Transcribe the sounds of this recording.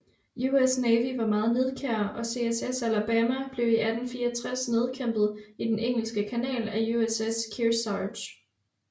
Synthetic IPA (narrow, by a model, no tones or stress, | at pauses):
juesnɛːʋiʋɑ̈mɑ̈ːð̞̩ˠne̝ð̞ˠkʰæɐɐʔɒ̽se̝esesælæb̥æːmæb̥le̝ʊiʔæd̥n̩fiːɐt͡sʰʁasne̝ð̞ˠkʰem̰b̥ð̩ˠid̥eneŋ̰l̩sɡ̥əkʰænɛ̰ːlæjueseskʰiɐsɑ̥ɕ